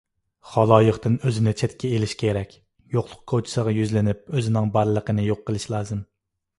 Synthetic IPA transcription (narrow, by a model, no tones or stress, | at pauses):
χɑlˠɑːjəχt̪ɨnøzɪnɪt͡ʃʰɛt̪kʲʰɛelɪʃkʲʰeɾɛkʲ | joqlˠʊq̚kʰot͡ʃʰɪ̥səʁɑjyzlɪnɪp̚øzɪnɪŋbɑɾlˠəqənɨjoqːəlˠɨʃlˠɑːzɨm